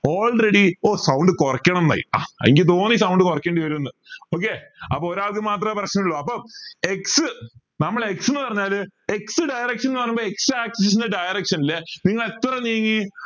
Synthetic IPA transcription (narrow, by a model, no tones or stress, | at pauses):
o̞ːlreɽioːsɐwɳɖɨkorɐkʲːɐɳɐmna̰jḭa̰ːɐ̰eŋɡilt̪̬o̞ːnisɐwɳɖɨkorɐkʲːeːɳɖiʋɐɾunːɐoːk̬ːe̞ɐpːoːoɾaːɭkɨmaːt̪̬rɐprɐɕnɐŋɭːoɐpːoːeksɨ | nɐmːɐɭeksenːɨpɐrɐɲːaːleksɨɖɐjrɐkʂɐnenːɨpɐrɐɲumboːeksɨaːksɐsis̬inɨɖɐjrɐkʂɐnilːeniŋːɐɭet̪ːrɐnijɐŋːi